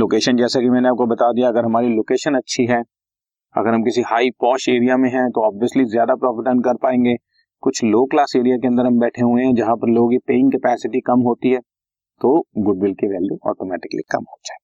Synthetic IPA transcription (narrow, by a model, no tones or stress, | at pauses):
loːkeːʃənd͡ʒɛːsakimɛ̃ːneaːp̚kobɐt̪ad̪ijaɐɡəɾɦɐmaːɾiloːkeːʃənɐtːʃʰiɦɛː | ɐ̰ɡəɾɦɐmkɪsihaːipɔːʃeːɾijamẽɦɛ̃t̪oɔːbʋiəslizjaːd̪apɾɔːfɪʈə̃ɳʈkɐɾpaːẽːŋɡeː | kʊt͡ʃʰloːklaːseːɾijakeɐ̃nd̪əɾɦɐ̃mbɛːʈʰeɦuẽɦɛ̃d͡ʒɐɦãpɐɾloːɡipeːɪ̃ŋkɐpɛːsɪʈikɐmɦoːt̪iɦɛː | t̪oːɡʊɖ̚bɪlkeʋɛːljuɔ̰ːʈomɛːʈɪ̥kəlḭkɐ̰mɦoːd͡ʒaːɦe